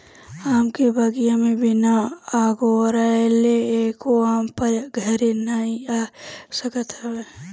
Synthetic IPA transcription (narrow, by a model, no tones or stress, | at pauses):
aːmkebʱaːɡijãmẽbɪnaaːɡoɾaleeːkoaːmpəɡʱɐɾenaːĩasəkət̪ɦɛwe